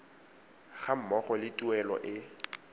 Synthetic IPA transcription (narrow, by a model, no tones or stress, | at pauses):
ɣam̩mɔχɔlɪtʼuɛlɔ̰ʔɪ